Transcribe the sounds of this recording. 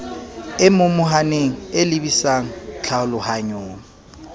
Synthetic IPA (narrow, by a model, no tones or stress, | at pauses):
ɪmʊmʊɦaneŋ̩elɪbisaŋ̩t͡ɬʰaʊlʊhaɲoːŋ̩